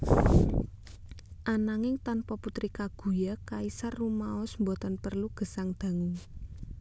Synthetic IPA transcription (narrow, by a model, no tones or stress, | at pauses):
ʔanaŋɪŋt̪anpɔput̪ɾikaɡ̥ṳjakaisarːumaɔsmbɔt̪ɔnpərluɡ̥ə̤saŋd̪̥ä̤ŋu